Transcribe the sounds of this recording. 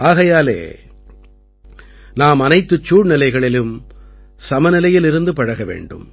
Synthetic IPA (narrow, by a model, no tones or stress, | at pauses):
ʔaːɣɐjaːlḛː | naːmɐnɐɪt̪ːɯt͡ʃːuːɻnɪlɐɪɣɐɭɪlɯm | sɐmɐnɪlɐjɪlɪɾɯnd̪ɯpɐɻɐɣɐʋḛːɳɖɯ̰m